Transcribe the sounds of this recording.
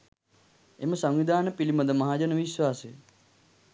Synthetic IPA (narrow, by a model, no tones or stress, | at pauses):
emɐsɐŋʋid̪ʱaːnɐpilimɐd̪ʱɐmɐɦaːd͡ʒənɐʋiʃwaːse